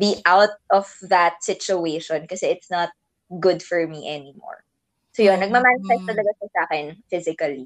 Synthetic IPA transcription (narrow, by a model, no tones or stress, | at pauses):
biʔawt̪̚ʔɔvðɐt̪̚sɪt͡ʃʊeʃɔ̃nkɐsɛʔɪt̪snɐt̪̚ | ɡʊd̪fɔɹmiʔɛnɪmɔ̰ɹ | soːjonːɐɡ̚mɐmansɛst̪ɐlɐɡaʃɐsaːkɛnfɪzɪkɐli